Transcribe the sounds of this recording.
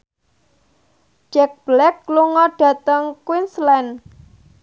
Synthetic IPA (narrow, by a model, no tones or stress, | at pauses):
d͡ʒɛk̚b̥lɛkluŋɔɖ̥a̤t̪əŋkwinslɛn